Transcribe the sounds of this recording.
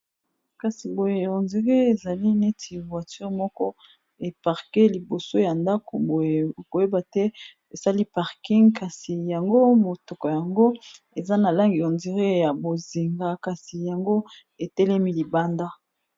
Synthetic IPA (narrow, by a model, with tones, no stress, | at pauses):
ka˨si˨bo˨je˨jo˨nzi˨˦ʁe˦e˨za˨li˦ne˦tʰi˨vwa˨ty˦ʁmɔ˦kɔ˦ | e˨pa˨ʁke˦li˨bo˨so˦ja˨nda˦ko˨bo˨je˨ko˨je˦ba˨tɛ˦ | e˨sa˦li˦pa˨ʁki˦ŋkʰa˨si˨ja˨ŋɡo˦mo˨tɔ˨kɔ˨ja˨ŋɡo˦ | e˨za˦na˨la˦ŋɡi˨jo˨ndi˨ʁe˦ja˨bo˨zi˨ŋɡa˦ka˨si˨ja˨ŋɡo˦ | e˨tɛ˦lɛ˦mi˦li˨ba˦nda˦